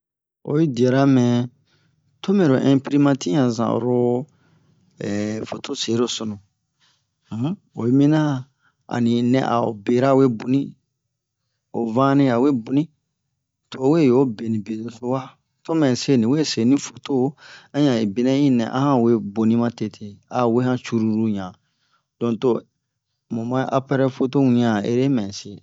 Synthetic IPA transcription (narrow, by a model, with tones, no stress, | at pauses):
o̰˨ji˦di˨ɛ˨ɾa˦mɛ̃˨ | to˦mɛ̃˨ɾo˨ʔɛ̃˦pi˦ɾi˦mã˦ti˦ã˨zã̰˨ɾo˦ | ɛ˨fo˨to˦se˨˦ɾo˦so˨nũ˨˦ | o̰˨ji˦mĩ˦nã˦ | a̰˨nĩ˨nɛ̰̃˨ʔa̰˨o̰˨be˨ɾa˦˨we˦bo˨nĩ˦ | o˨vã˦nĩ˦a˨we˦bu˨nĩ˦ | to˨we˦˨jo˦be˨nĩ˨be˨do˨so˦wa˦ | to˦mɛ̃˨se˦nĩ˨we˦se˨nĩ˦fo̥˨to˦˨˦ã˦ɲã˨i˨bi˨nɛ̃˦ĩ˦nɛ̰̃˨ʔã̰˦hã˦˨we˦bo˨nĩ˦mã˦te˨tʰe˨a˨we˦hã˦t͡ʃu˦ɾu˦ɾu˦ɲã˨ | d̥ɔ̃˨to˦ | mõ˨mã˦ʔa˦pɛ˦ɾɛ˦fo˦to˦ũ˨ɲã˨ḛ˦ɾe˦mɛ̃˨se˨